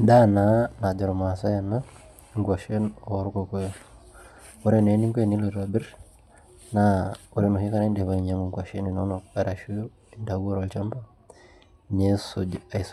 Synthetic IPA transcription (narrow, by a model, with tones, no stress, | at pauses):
da˦nana˨d͡ʒa˨ɾo˨ma˨sa˦ja˨na | ŋɡwa˨ʃe˦noɾu˦koko | o˦ɾe˦ne˨˦ni˦ŋkweni˦loɾa˨bi˦ɾ | nauɾi˦nu˨hi˦ka˦ɾa˦nde˨βa˨iɲa˦moŋɡwa˨ʃe˦nino˦noa˨ɾa˨ʃu˦j | inda˨ɡo˦ɾo˨lt͡ʃa˦mba | ne˦sod͡ʒa˨is